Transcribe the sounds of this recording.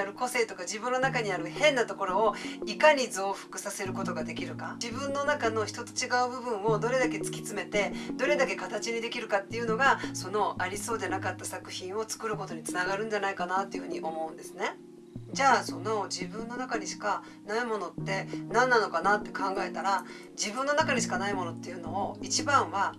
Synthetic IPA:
aɾɯ̟ko̞se̞ːt̪o̞kaʑibɯ̃nːo̞nakaɲ̟iaɾɯ̟hẽ̞nːat̪o̞ko̞ɾo̞ːikaɲ̟id͡zoːɸɯ̟̥kɯ̟̥sase̞ɾɯ̟kot̪o̞ɡad̪e̞kʲiɾɯ̟ka̰d͡ʑibɯ̟̃nːo̞nakano̞çi̥t̪o̞t̪o̞̥t͡ɕiɡaɯ̟bɯ̟bɯ̟̃ɰ̃o̞d̪o̞ɾe̞d̪ake̞t͡sɨ̥kʲi̥t͡sɨme̞t̪e̞d̪o̞ɾe̞d̪ake̞kat̪at͡ɕiɲ̟id̪e̞kʲiɾɯ̟kat̪ːe̞iɯ̟no̞ɡaso̞no̞ʔaɾʲiso̞ːd̪e̞nakat̪ːasakɯ̟çĩɰ̃o̞t͡sɨ̥kɯ̟ɾɯ̟ko̞t̪o̞ɲ̟it͡sɨnaɡaɾɯ̟̃ɲ̟d͡ʑanaikanat̪ːe̞jɯ̟ɸɯ̟ɲ̟iʔo̞mo̞ɯ̟̃nd̪e̞sɨne̞ | d͡ʑaːso̞no̞d͡ʑibɯ̟̃nːo̞nakaɲ̟iɕi̥ka | naimo̞no̞t̪ːe̞nãnːano̞kanat̪ːe̞̥kʰãŋɡae̞t̪aɾa | d͡ʑibɯ̟̃nːo̞nakaɲ̟iɕ̬i̥kanaimo̞no̞t̪ːe̞jɯ̟no̞ːit͡ɕibãɰ̃βa

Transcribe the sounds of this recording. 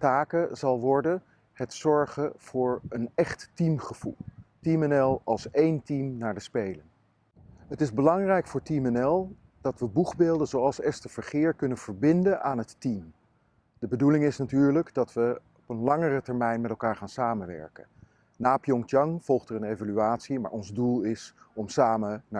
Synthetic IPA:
taːkəzɑlˠʋɔɹdə | hɛtsɔɹχəv̥ʊːɹənɛχtːimχəv̥ṵlˠtimɛnɛlˠɑlˠsejntimnaːɹdəspejlən | ɦətɪzbəlɑŋrɛjkfʊːɹtimɛnɛlˠ | d̥ɑtʋəbuχbeːlˠdənzowɑlˠsɛstəv̥əɹχɪːɹkɵnənv̥əɹbɪndənʔaːnɦətːim | d̥əbədulɪŋɪsnatyːɹləɡdɑtʋə | ɔpənlɑŋərətɛɹmɛjnmɛtɛlˠkaːɹχaːnsaːmənʋɛ̰ɹkə̰n | naːpjɔŋtjɑŋv̥ɔlˠχtərənejvalyaːtsima̰ːɹɔnzdulˠɪs | ɔmsaːməna

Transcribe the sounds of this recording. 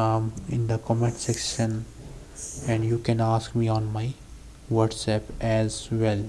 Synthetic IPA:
mɪ̃nd̪əkɔːmẽɳʈsekʃə̃n | ɛ̃ɳɖjuːkɛ̃naːskmiːɔ̃ːnmaɪ | ʋəɾɖsɛpɛzʋɛl

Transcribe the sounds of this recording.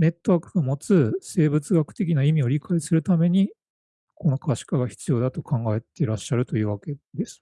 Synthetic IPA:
ne̞t̪ːo̞βaːkɯ̥ɡamo̞t͡sɨse̞ːbɯ̟t͡sɨɡakɯ̟̥t̪e̞kʲinaimʲio̞ɾʲikaisɨɾɯ̟t̪ame̞ɲ̟i | ko̞no̞kaɕi̥kaɡaçi̥t͡sɨjo̞ːd̪at̪o̞kʰãŋɡae̞t̪e̞ɾaɕːaɾɯ̟t̪o̞jɯ̟ːβake̞d̪e̞sɨ̥

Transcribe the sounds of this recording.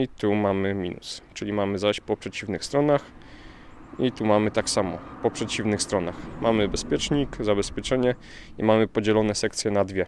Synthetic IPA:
it̪umamɘmʲḭnṵst͡ʂɘlʲimamɘzaɕpɔpʂɛt͡ɕivnɘxst̪ɾɔnax | it̪umamɘt̪aksamɔ̰pɔpʂɛt͡ɕivnɘxst̪ɾɔnaxmamɘbɛspʲjɛt͡ʂɲikzabɛspʲjɛt͡ʂɛɲɛ | imamɘpɔd͡ʑɛlɔnɛsɛkt̪sʲjɛnad̪vʲjɛ

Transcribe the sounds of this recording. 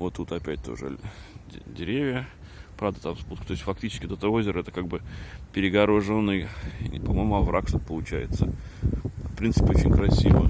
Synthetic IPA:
vot̪ːut̪ɐpʲæt̚ʲt̪o̞̰ʐɨ̰ | dʲɪɾʲevʲjə | pɾavd̪ət̪amsbut̪̚kət̪oɪsʲfɐk̚tʲit͡ɕɪ̥skʲt̪ɛt̪əozʲɪɾəɛt̪əkaɡ̚bɨpʲɪɾʲɪɡɐɾoʐonːɨj̰ʲpɐmojmʊɐvɾʔakʂt̪ot̪̚pəlˠʊt͡ɕæ̰jɪ̰t̪sə | fpɾʲint̪sɨ̥pʲɪot͡ɕɪnʲkɾɐsʲivə̰

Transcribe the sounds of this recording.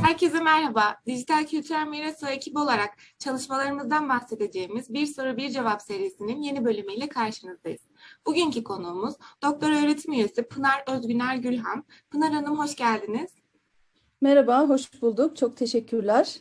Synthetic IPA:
hæɾcʰe̞zɛmæɾhabaːd̪iʒit̪ʰalʲcʰylʲt̪ʰyɾælʲmiɾasoecʰibo̞lˠaɾak̚ | t͡ʃʰalˠɯʃmalˠaɾɯmɯzd̪anbahse̞d̪e̞d͡ʒe̞ːimizbiɾso̞ɾubiɾd͡ʒe̞vapse̞ɾijesininje̞nibø̞lʲymijlʲɛkʰaɾʃɯnɯzd̪ajɯz̥buɟyɲcʰikʰo̞nuːmuzd̪̥o̞k̚t̪ʰo̞ɾø̞ːɾe̞t̪ʰimyɾesipʰɯnaɾøzɟynæɾɟylʲɦam | pʰɯnaɾɯnɯmɦo̞ʃɟælʲd̪iniz̥ | meɾabaːɦo̞ʃbulˠd̪uk̚t͡ʃʰok̚t̪ʰeʃɛcʰːyɾlʲæɾ̥

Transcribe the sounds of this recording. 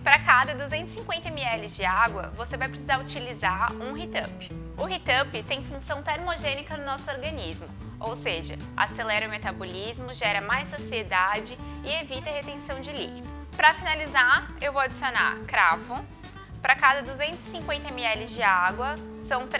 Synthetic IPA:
pɾɐkad̪ɐd̪uzẽnt̪ʊ̥sĩŋkwẽnt̪ɐmiɛlɪzd͡ʒɪaɡwɐ̰vosevajpɾesizaɾut͡ʃilizaɾũɦit̪ɐ̃pɪ̥ | ʊɦit̪ɐpɪt̪ẽj̃fũsɐ̃w̃t̪ɛɾmoʒẽnikɐnʊnɔsʊoɾɡɐnizmʊ | owseʒɐ̰ | a̰selɛɾɐʊmet̪abolizmʊʒɛɾɐmajsɐ̃sied̪ad͡ʒɪɪevit̪ɐhet̪ẽsɐ̃w̃d͡ʒɪlikid̪ʊspɾɐfinalizaɾewvowad͡ʒisiona̰ɾkɾavʊ | pɾɐkad̪ɐd̪uzẽnt̪ʊzɪ̥sĩŋkwẽnt̪ɐmiɛlɪzd͡ʒɪaɡwɐ | sɐ̃w̃t̪

